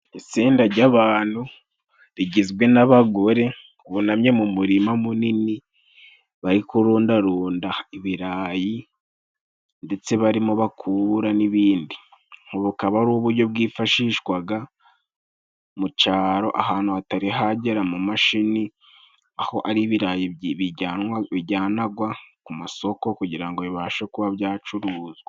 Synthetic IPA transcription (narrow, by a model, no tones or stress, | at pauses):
it͡siːndaɾɟaβaːn̥hu | ɾiɟizɡwe̞naβaɡo̞ɾe̞ | uβunamɲe̞mumuɾimamunini | βaɾikuɾuːndaɾuːndaiβiɾaːji | nde̞t͡se̞βaɾimoβakʰuβuɾaniβiːndi | ŋ̥oβukaβaɾuːβuɾɟo̞b̚ɡiːfaʃiːʃwaɡa | mut͡ʃaːɾo̞ʔahaːn̥huataɾiɦaɟe̞ɾamumaʃini | aho̞ʔaɾiβiɾajiβiɟaβiɟaːnaɡwakumaso̞ko̞kuɟiɾaŋɡo̞βiβaːʃe̞kuβaβjaːt͡ʃuɾuːzɡa